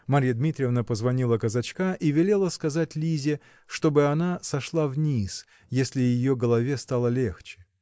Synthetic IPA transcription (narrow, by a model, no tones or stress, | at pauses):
mɐɾʲijəd̪mʲit̪ɾʲɪəvnəpəzvɐnʲilˠəkəzɐt͡ɕkaʔivʲɪlʲe̞lˠəskɐzatʲlʲizʲɪ | ʂt̪o̞bɨɐnasɐʂlˠavnʲis | jesʲlʲɪjɪjoɡəlˠɐvʲest̪alˠəlʲe̞xt͡ɕɪ̥